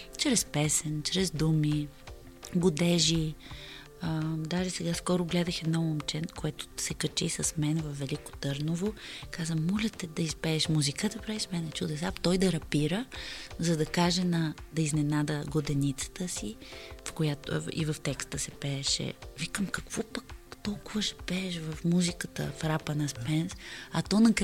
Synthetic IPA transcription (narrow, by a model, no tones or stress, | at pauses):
t͡ʃɾɛspɛsɛnt͡ʃɾɛzd̪umi | ɡʊd̪ɛʒi | əd̪aʒɛsɛɡaskɔɾʊɡlɛd̪əxɛd̪nɔmomt͡ʃɛnkoɛt̪ʊ̥sɛkɐt͡ʃisɐsmɛnvɐfːɛlikʊ̥t̪ɤɾnovokazəmɔlʲɛt̪ɛd̪ɐispɛːʃmuzikəd̪ɐpɾaiʃmɛnɛt͡ʃud̪ɛsapt̪ɔjd̪ɐɾɐpiɾəzɐd̪ɐkaʒɛnɐd̪ɐiznɛnad̪əɡod̪ɛnit̪sə̥t̪əsifkojat̪ḭvɐft̪ɛkst̪əsɛpɛːʃɛ̰vikəmkɐkv̥ɔpəkt̪ɔlˠkʊvəʃɛ̥pɛːʃvɐfmuzikət̪ə̰fɾapənɐspɛnsɐt̪ɔnɐk